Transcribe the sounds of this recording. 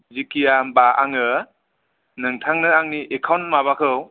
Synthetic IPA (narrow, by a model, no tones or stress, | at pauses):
zikijabaʔa̰ŋɯ | nɯŋtʰaŋnɯaŋniʔekʰawnmaβakʰɯw